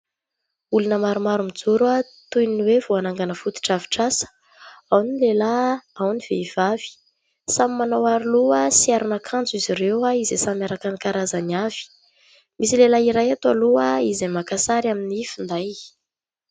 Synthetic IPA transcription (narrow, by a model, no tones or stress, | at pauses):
ulunəmaɾumaɾumid͡zuɾa | t̪ujniniwev̥oanaŋɡanəfut̪i̥ʈ͡ʂavi̥ʈ͡ʂasə̥ | awnilelaawniv̥eiv̥av̥i̥ | samimanawaɾiluəsiaɾunakʰand͡ziziɾewaizesamjaɾakanikaɾazaniav̥i̥ | misilelaiɾajat̪aluaizemakasaɾaminifind̪aj